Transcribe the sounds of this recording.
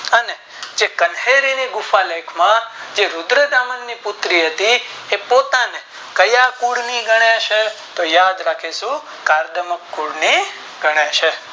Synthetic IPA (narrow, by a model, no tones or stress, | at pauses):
əne | d͡ʒekənɦeɾiniɡʊfalekʰmãd͡ʒeɾʊd̪ɾəd̪amənnipʊt̪ɾiɦət̪iepot̪ane | kəjakuɽniɡʱəɳaʃʰet̪ojad̪ɾakʰeʃũ | kaɾd̪əməkːuɽni | ɡʱəɽ̃et͡ʃʰe